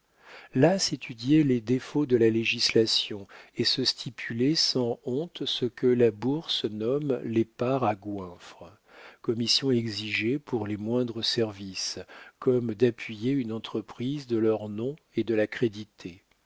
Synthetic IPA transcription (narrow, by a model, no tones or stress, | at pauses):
laset̪ʰyd̪jeled̪efod̪əlaleʒislasjɔ̃esəst̪ʰipʰylesɑ̃ɔ̃t̪səkəlabuʁsənɔmlepaʁaɡwɛ̃fχə | kɔmisjɔ̃ɛɡziʒepuʁlemwɛ̃d̪ʁəsɛʁviskɔmd̪apɥijeynɑ̃t̪χəpχizd̪əlœʁnɔ̃ | ed̪əlakχed̪it̪ʰe